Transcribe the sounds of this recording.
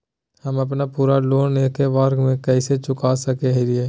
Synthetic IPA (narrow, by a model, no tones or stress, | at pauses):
hɐmɐp̬napuːɾaloːneːkeʋaːɾkmẽkɛːset͡ʃʊkaːsɐkeɦɪɾieː